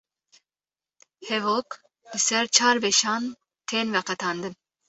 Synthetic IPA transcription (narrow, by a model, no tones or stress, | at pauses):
hɛvok | lɨsɛɾt͡ʃʰaːɾbɛʃɑːn | t̪ʰenvɛqɛt̪ʰɑnd̪ɨm